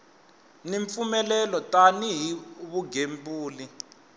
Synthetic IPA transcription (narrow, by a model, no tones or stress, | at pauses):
niɱfumɛlɛlɔtʼaniɦiuβuɡʱembuːli